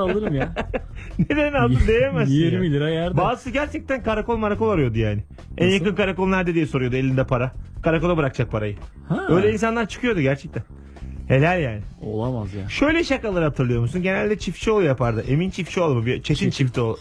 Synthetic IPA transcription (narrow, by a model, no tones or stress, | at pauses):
alˠɯɾɯmja | ned̪eninalˠɯnd̪ejemajeɾmilʲiɾajæɾdbaːzɯsɯɟæɾt͡ʃʰɛc̚t̪ænkaɾakolˠmaɾako̞lˠaɾujo̞d̪ujaːnɪ | æ̰njjaɯnkaɾakolˠnæɾd̪ɛd̪ijɛso̞ɾujo̞d̪ue̞lʲind̪ɛpʰaɾakʰaɾakolˠabɯɾak̚t͡ʃʰak̚pʰaɾajɯ | haø̞jlʲɛins̬anlˠaɾt͡ʃʰɯ̥kʰɯjo̞d̪uɟæɾt͡ʃʰɛc̚t̪æn | he̞lʲæɾjaːnɪo̰lˠamazjaʃø̞jlʲɛʃakalˠɯɾɯhat̪ʰɯɾlˠɯjo̞ɾmusunɟe̞nælʲd̪ɛt͡ʃʰift͡ʃʰio̞lˠjapʰaɾd̪ɯʔe̞mint͡ʃʰift͡ʃʰiolˠamɯbit͡ʃʰet̪int͡ʃʰift̪ʰiolˠ